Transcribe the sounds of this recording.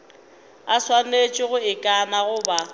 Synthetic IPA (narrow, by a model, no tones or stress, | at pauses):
aswanet͡ʃʼɪɣʊɪkʼanaɣʊba